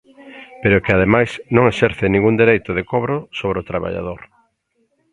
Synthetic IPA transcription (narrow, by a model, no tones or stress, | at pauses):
peɾʊkeað̞emajsnõŋeʃɛɾθɪnĩŋɡund̪eɾejt̪ʊðekoβɾosoβɾeot̪ɾaβa̰ʎa̰ðoɾ